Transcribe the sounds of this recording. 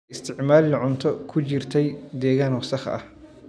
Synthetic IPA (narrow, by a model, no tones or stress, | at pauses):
ɪst̪ʰɪʕmaːlɪlɐʕʊnt̪ʰɔkʰʊt͡ʃɪrt̪ʰɛjd̪ɛːɣaːnwɑsɐχɐ̰ɐ̰h